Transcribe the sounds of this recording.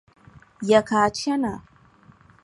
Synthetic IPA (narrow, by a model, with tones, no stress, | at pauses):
ja˨kaː˨t͡ʃɐ˦na˨